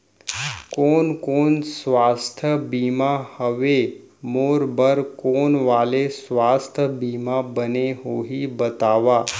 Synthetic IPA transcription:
koːnkoːnsʋaːst̪ʰəbiːmahəʋe | moːɾbəɾkoːnʋaːlesʋaːst̪ʰəbiːmabəneɦoːɦibət̪aːʋaː

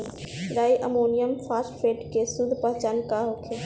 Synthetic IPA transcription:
ɾaːiʔɐmoːnijəmfaːsʈfeːʈkʰesʊd̪ʱpɐ̃ɦt͡ɕaːnkaɦoːkʰeː

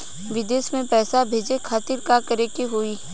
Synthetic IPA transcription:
ʋɪd̪eːsmẽpɛːsabʱeːd͡ʒekʰaːt̪ɪɾkakəɾekeɦoːiː

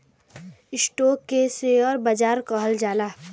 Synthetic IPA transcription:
ɪsʈoːkːeseɔːɾbəd͡ʒaːɾkɔɦəld͡ʒaːlaː

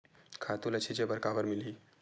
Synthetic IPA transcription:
kʰaːt̪ulɐt͡ʃʰid͡ʒebəɾkaːbəɾmɪli

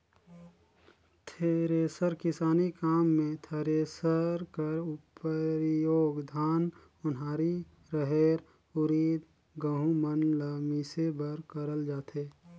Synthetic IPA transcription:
t̪ʰeːɾeːsəɾkɪsaːnikaːmːẽt̪ʰeːɾesəɾkəɾʊpəɾjoːɡd̪ʱaːn | ʊnɦaːɾi | ɾəɦeːɾ | ʊɾiːd̪ | ɡəɦũmənləmisebəɾkəɾəld͡ʒaːt̪eː

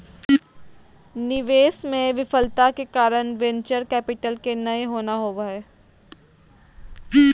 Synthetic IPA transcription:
nɪʋeːsmẽʋɪfəlt̪akekaːɾəɳ̃ʋɛ̃nt͡ʃəɾkɛːpɪʈəlkenɐeɦoːnaɦoːʋaɦeː

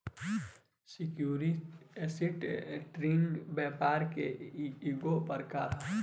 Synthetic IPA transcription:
sɪkjuːɾiɛsɪʈʈɾeːnɖbɛːpaːɾkḛiɡopəɾkaːɾ

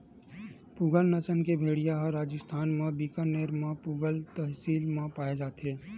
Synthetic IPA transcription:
puɡəlnəsənkebʱeːɽijaɦəɾaːd͡ʒəst̪ʰaːnmãbikəneːɾmãpuɡəlt̪əɦsiːlmãpaːed͡ʒaːt̪ɦeː

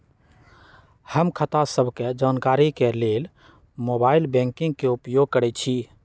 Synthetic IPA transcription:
həmkʰət̪asəbʱked͡ʒankaɾikelel | mobailbɛ̃ŋkĩŋɡ̚keupjoɡ̚kəɾɛt͡ʃʰi

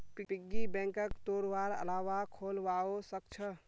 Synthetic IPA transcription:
pipɪɡibɛ̃ːŋkəkt̪oːɾʋaːɾə̰laːʋakʰoːlʋaːosəkt͡ʃʰə

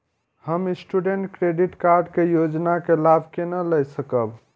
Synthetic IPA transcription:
həmisʈuɖeɳʈkɾeɖiʈkaɾɖkejod͡ʒnakelabʱkenələjsəkəb

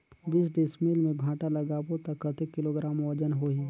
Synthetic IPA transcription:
biːs̬ɖɪsmilmẽbʱaːʈalɐɡaːbot̪ɐkːət̪ekɪloːɡɾaːmod͡ʒənɦoi

